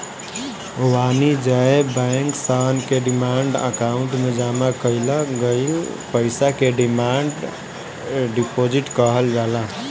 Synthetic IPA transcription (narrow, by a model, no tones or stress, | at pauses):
wanid͡ʒaebəŋksankeɖimaɳɖə̰kauɳʈmed͡ʒamakəɪləɡəjupəɪsakeɖimaɳɖ | ɖipod͡ʒiʈkəɦəld͡ʒala